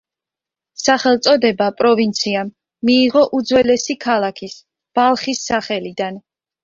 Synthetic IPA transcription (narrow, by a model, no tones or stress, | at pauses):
saχɛlˠt̪sʼɔd̪ɛbapʼɾɔvint̪sʰiamː | iːʁɔʔud̪zwɛlɛsikʰalˠakʰis | b̥alˠχisːaχɛlid̪an